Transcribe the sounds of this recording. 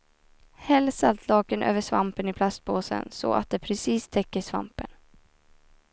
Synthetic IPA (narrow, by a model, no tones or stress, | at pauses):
hɛlːsalt̪ʰlɑːkənʔø̰ːvəʂvampənɪpʰlast̪̚boːsə̰nsɔ̰a̰t̪̚d̪ɛpʰɾɛsiːst̪ʰɛkːəʂva̰mpən